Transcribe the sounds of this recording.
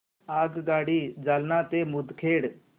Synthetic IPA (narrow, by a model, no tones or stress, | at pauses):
aːɡɡaːɽiːd͡ʒaːlnãːt̪eːmʊd̪kʰeːɽ